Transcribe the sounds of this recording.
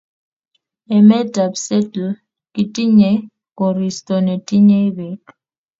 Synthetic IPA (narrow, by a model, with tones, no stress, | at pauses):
ɛ˨mɛ˦dʱa˨bsɛ˦tl̩ | kʼi˨tʼi˦ɲe˨ | ko˨ri˨stɔ˨ne˨tʼi˦ɲe˦βɛ˨